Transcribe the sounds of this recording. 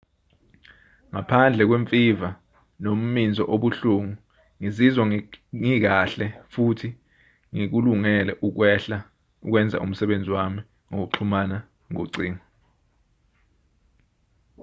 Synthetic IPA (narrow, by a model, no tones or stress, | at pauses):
ŋapʰand͡ɮʱɛk̬weɱfʼiva | nom̩mind͡zʱɔʔoɓuɬuŋu | ŋizizwaŋik̬aɬɛfutʰi | ŋik̬uluŋɛlɛʔuk̬wɛɬa | uk̬wɛnd͡zʱa̰ʔṵm̩sɛɓend͡zʱiwami | ŋok̬uǁʰumana | ŋoǀiːŋɔ